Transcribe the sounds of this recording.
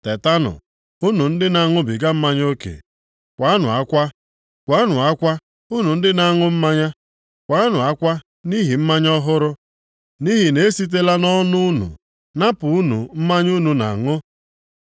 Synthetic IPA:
te˨ta˦nʊ̰˨ | u˦nu˨n̩˦dɪ˦na˨ŋʊ˦bɪ˨ɡa˦m̩˦ma˦ɲ˦o˦kḛ˨ | kʷa˨˦nʊ̰˨a˦kʷa˦ | kʷa˨˦nʊ˨a˦kʷa˦ | u˦nu˨n̩˦dɪ˦na˨ŋʊ˦m̩˦ma˦ɲa˦ | kʷa˨˦nʊ˨a˦kʷa˦ | ni˦ɦi˨m̩˦ma˦ɲɔ˦ɦʊ˦ɾʊ˦ | ni˦ɦi˨ne˦si˦t̬e˦la˦nɔ˦nʊ˦u˦nṵ˨ | na˦pʊ˨u˦nṵ˨m̩˦ma˦ɲ˦u˦nu˨na̰˨ŋʊ˦

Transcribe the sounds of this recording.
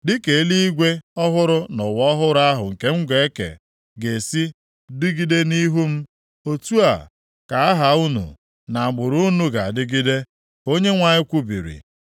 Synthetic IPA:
dɪ˦ke˨˦li˦i˦ɡʷe˦ɔ˦ɦʊ˦ɾʊ˦nʊ˨wɔ˦ɦʊ˦ɾa˦ɦʊ˨ŋ̩˨ke˦ŋ͡m̩˦ɡʷe˨˦e˦kḛ˨ | ɡe˨si˦ | di˦ɡi˦de˦ni˦ɦu˦m̩˦ | o˦tu˦a˨ | ka˨a˦ɦa˨u˦nṵ˨ | na˨a˨ɡ͡bʊ˨ɾu˦nu˦ɡa˨dɪ˦ɡi˦de˦ | o˦ɲe˦ŋʷa˦˨ɲɪ˦kʷu˦bḭ˨ɾḭ˨

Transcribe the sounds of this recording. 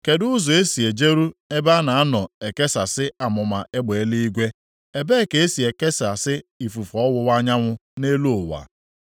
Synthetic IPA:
ke˨dʊ˦zɔ˨e˦si˨e˨d͡ʒe˦ɾu˦e˦ba˦na˨a˦nɔ˨e˨ke˦sa˨sɪ˦a˨mʊ˨ma˨ʔe˦ɡ͡be˨e˦li˦i˦ɡʷe˦ | e˨be˦˨ke˨e˦si˨e˨ke˦sa˨sɪ˦i˨fu˨fɔ˨ɔ˦wʊ˦wa˦ɲa˦ŋʷʊ˦ne˦lo˦˨wa̰˨

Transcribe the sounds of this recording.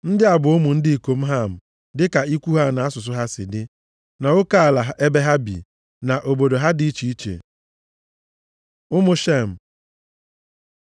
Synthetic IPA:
n̩˦dɪ˦a˨bʊ˨ʊ˦mʊ˨n̩˦dɪ˦i˨ko˨m̩˦ɦa˦m̩˨ | dɪ˦ka˨i˦kʷu˦ɦa˦˨na˨a˦sʊ˨s̬ʊ˦ɦa˦sɪ̰˨dɪ˦ | na˨ʊ˦ka˦a˨la˨ɦa˨ʔe˦be˦ɦa˦bḭ˨ | na˨ʔo˨bo˨do˨ɦa˦di˦i˦t͡ʃi˦i˦t͡ʃḛ˨ | ʊ˦mʊ˦ʃe˦˨m̩˨

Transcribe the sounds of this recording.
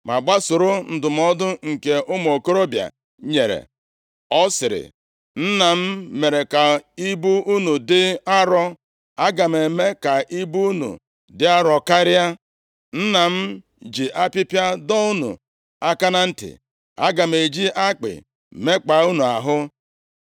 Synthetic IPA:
ma˨ɡ͡ba˦sʊ˨ɾʊ˦n̩˨dʊ˨m̩˦ɔ˦dʊ˦ŋ̩˨ke˨ʔʊ˦m˨o˨ko˦ɾo˦bja̰˨ | ɲe˨ɾḛ˨ | ɔ˦sɪ˨ɾɪ̰˨ | n̩˦na˨m̩˦me˨ɾe˨ka˨i˦bu˦u˦nu˨dɪ˦a˦ɾɔ˦ | a˦ɡa˨m̩˨e˨me˦ka˨ʔi˦bu˦u˦nṵ˨ | dɪ˦a˦ɾɔ˨ka˦ɾɪ˦a˦ | n̩˦na˨m̩˦ | d͡ʒi˨ʔa˦pɪ˦pja˦dɔ˦u˦nṵ˨ | a˦ka˦na˦n̩˦tɪ̰˨ | a̰˦ɡa˨m̩˨e˨d͡ʒi˦ʔa˦k͡pɪ̰˨ | me˦k͡pa˨˦u˦nu˨a˨ɦʊ˦

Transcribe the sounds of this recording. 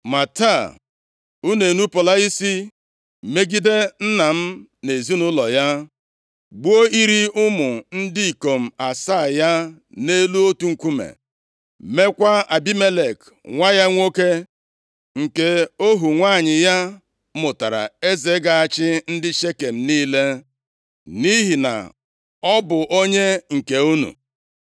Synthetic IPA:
ma˨ta˦˨ | u˦ne˨nu˦po˨la˦i˦si˦˨ | me˦ɡi˦de˦n̩˦na˨m̩˦ne˨zi˦nʊ˦lɔ˨ja˦ | ɡ͡bu˦o˦i˦ɾi˦ʊ˦mʊ˨n̩˦dɪ˦i˨ko˨m̩˨a˨sa˦˨ja˦ne˦lu˦o˦tu˦ŋ̩˨kʷu˦mḛ˨ | me˦kʷa˦a˨bi˦me˦le˨k | ŋʷa˦ja˦ŋʷo˦ke˦ | ŋ̩˨ke˦o˦ɦu˨ŋʷa˦˨ɲɪ˨ja˦ | mʊ˨ta˨ɾa̰˨e˦ze˨˦ɡa˨a˨t͡ʃɪ˦n̩˦dɪ˦ʃe˦ke˨m̩˨niː˦le˦ | ni˦ɦi˨na̰˨ | ɔ˦bʊ˨ʔo˦ɲe˦ŋ̩˨ke˨u˦nṵ˨

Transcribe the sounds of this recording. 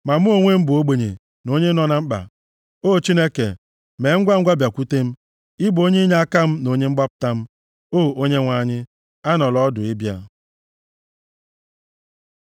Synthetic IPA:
ma˨m̩˦o˦ŋʷe˦m̩˦bʊ˨o˦ɡ͡be˨ɲḛ˨ | no˦ɲe˦nɔ˨na˨m̩˦k͡pa̰˨ | o˦˨t͡ʃi˦ne˦kḛ˨ | me˨˦ŋ̩˦ɡʷa˦ŋ̩˦ɡʷa˦bja˨kʷu˦te˦m̩˦ | ɪ˦bʊ˨o˦ɲe˦ɲa˦a˦ka˦m̩˦no˨ɲe˦ŋ͡m̩˦ɡ͡ba˦pʊ̥˨ta˦m̩˦ | oː˦o˦ɲe˦ŋʷa˦ɲɪ˦ | a˦nɔ˨lɔ˦dʊ˨ɪ˦bja̰˦

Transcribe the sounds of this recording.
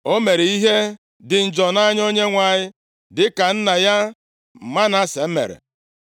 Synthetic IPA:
o˦me˨ɾe˨i˦ɦe˦ | dɪ˨n̩˨d͡ʒɔ˨na˦ɲ˦o˦ɲe˦ŋʷa˨ɲɪ˦ | dɪ˨ka˨n̩˦na˨ja˦ | m̩˨ma˦na˦se˨m̩˦mḛ˨ɾḛ˨

